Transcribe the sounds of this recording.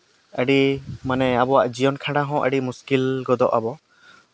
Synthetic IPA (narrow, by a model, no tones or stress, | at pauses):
əɖimanɛabɔwaʔd͡ʒijɔnkʰãɖaɦɔ̃ʔəɖimuskilɡɔd̪ɔʔabɔ